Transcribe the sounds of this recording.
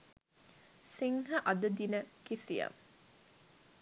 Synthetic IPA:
siŋɦɐʔɐd̪əd̪inəkisijɐ̰ŋ

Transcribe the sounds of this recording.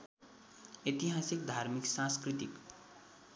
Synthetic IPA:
et̪iɦasikd̪ʱarmiksãskrit̪ik

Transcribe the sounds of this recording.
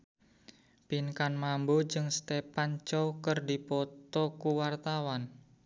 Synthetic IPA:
pinkanmambod͡ʒɨŋst̪epant͡ʃɔwkərdipɔt̪ɔkuwart̪awan

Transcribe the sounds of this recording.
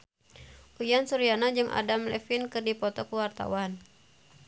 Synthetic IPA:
ujansuɾianad͡ʒɨŋʔa̰damlɛ̰finkɨrdipɔt̪ɔkuwart̪a̰wan

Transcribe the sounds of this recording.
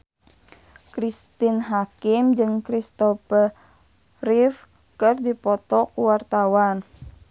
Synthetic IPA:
kɾist̪inɦakɪmd͡ʒɨŋkɾist̪ɔfər | rif | kɨrdipɔt̪ɔkuwart̪awan

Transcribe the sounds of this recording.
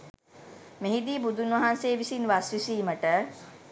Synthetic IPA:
meɦid̪iːbud̪ʱunʋɐɦanseːʋisinʋasʋisiːməʈə

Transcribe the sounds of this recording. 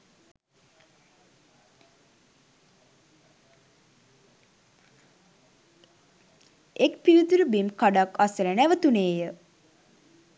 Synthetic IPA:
ekpiɾit̪uɾəbimkaɖakasəɾənæʋət̪uneːjə

